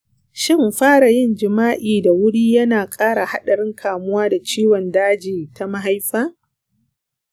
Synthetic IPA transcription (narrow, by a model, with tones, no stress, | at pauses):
ʃɪ˦˨mɸaː˦ɽa˨jɪ˦˨nd͡ʒɪ˨maː˦ʔiː˨da˨wʊ˦ɽiː˦jɐ˦naː˨kʼaː˦ɽa˨ha˦ɗɐ˨ɾɪ˦ŋkʰaː˨mʊ˦waː˦da˨t͡ʃiː˦wɔ˨ndaː˦d͡ʒiː˨ta˦ma˦ɦa˦jɸaː˦